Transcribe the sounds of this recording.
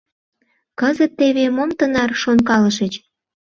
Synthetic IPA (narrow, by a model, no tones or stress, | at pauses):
kəzət̪ːeβemomt̪ənɑrʃonkɑləʃət͡ɕ